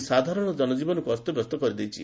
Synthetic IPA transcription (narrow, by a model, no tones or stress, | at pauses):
sad̪ʱaɾɔɽ̃ɔd͡ʒɔnɔd͡ʒibɔnɔkuɔst̪ɔbʱɔst̪ɔkɔɾid̪ejt͡ʃʰḭ